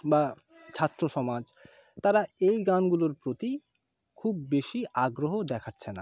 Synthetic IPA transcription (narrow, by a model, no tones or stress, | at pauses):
ba | t͡ɕʰat̪ːɾoʃɔmad͡ʑ | t̪aɾaejɡanɡuloɾpɾot̪i | kʰubːeʃiaɡɾoɦod̪ɛkʰatːɕʰena